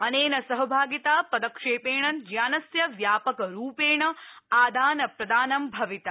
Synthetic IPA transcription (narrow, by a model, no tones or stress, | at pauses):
ɐneːnɐsɐɦɐbʱaːɡit̪aːpɐd̪ɐkʂeːpeːɳɐnd͡ʒjaːnɐsjɐʋjaːpɐkɐɾuːpeːɳɐaːd̪aːnɐpɾɐd̪aːnɐmbʱɐʋit̪ɐ